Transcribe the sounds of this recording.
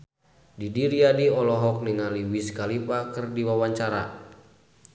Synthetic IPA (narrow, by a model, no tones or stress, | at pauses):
didiɾiadiɔlɔɦɔk̚niŋaliwiskalipakɨrdiwawaɲt͡ʃaɾa̰